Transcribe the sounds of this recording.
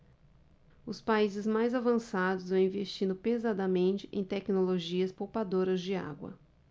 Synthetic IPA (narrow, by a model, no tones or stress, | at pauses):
ʊspaizɪzmajzavɐ̃sad̪ʊzvɐ̃w̃ĩvest͡ʃĩnd̪ʊpezad̪ɐmẽnt͡ʃɪ̥ʔḛ̃j̃t̪ɛknoloʒiɐspowpad̪oɾɐzd͡ʒɪa̰ɡwɐ̰